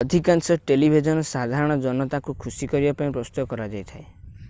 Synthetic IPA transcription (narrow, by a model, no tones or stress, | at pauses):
ɔd̪ʱikansɔʈelibʱid͡ʒɔnɔsad̪ʱaɾɔɽ̃ɔd͡ʒɔnɔt̪akukʰusikɔɾibapaĩpɾɔst̪uɔkɔɾad͡ʒajt̪ʰae